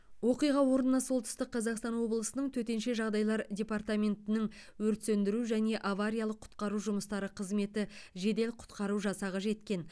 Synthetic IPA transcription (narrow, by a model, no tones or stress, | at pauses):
wo̞qijʁɑwo̞ɾənənɑsolˠt̪ʏ̥st̪ɪqːʰɑzɑqst̪ɑnwo̞blˠəsənəɴt̪ʰɵt̪e̞nʃe̞ʒɑʁd̪ɑjlˠɑɾdʲe̞part̪amʲe̞nt̪ɪnɪŋ | wɵɾt̪send̪ɪɾuʒæne̞ʔavaɾʲijalˠəqʰʊ̥t̪qɑɾuʒʊməst̪ɑɾəqʰəzme̞t̪ɪʒe̞d̪e̞lqʰʊ̥t̪qɑɾuʒɑsɑʁɑʒe̞t̪kʲe̞n